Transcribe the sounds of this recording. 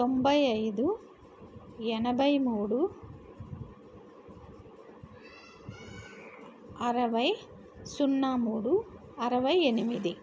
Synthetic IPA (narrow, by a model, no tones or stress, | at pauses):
t̪ombɐjɐjd̪u | ɛnɐbɐjmuːɽu | ɐɾɐʋɐj | sunːaːmuːɽu | ɐɾɐʋɐjenimid̪i